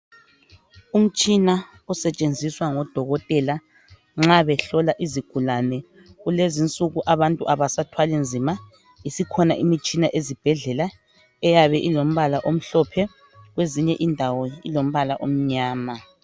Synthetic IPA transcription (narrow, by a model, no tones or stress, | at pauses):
um̩t͡ʃʼina | ɔsɛt͡ʃʼend͡zʱiswaŋɔd̥ʱɔɣɔtʼɛla | ŋ͡ǁaβɛɬɔlaʔiziɡ̥ʱulanɛ | ɣulezint͡sʼuɣuʔaβantʼṵʔaβasatʰwalind͡zʱima | isikʰɔnaʔimit͡ʃʼinaʔezib̥ʱɛɮɛla | ɛjaβɛʔilom̩βalaʔom̩ɬɔpʰɛ | ɣweziɲɛʔindʱawɔḭlom̩βalaʔom̩ɲaːma